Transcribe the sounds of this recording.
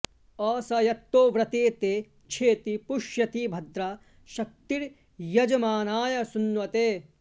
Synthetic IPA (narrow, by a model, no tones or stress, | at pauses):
ɔːsɐjɐt̪ːoːʋɾɐt̪eːt̪eː | t͡ʃʰeːt̪ipuʃjɐt̪ibʱɐd̪ɾa | ʃɐk̚t̪iɾ | jɐd͡ʒɐmaːnaːjɐsunːʋɐt̪eː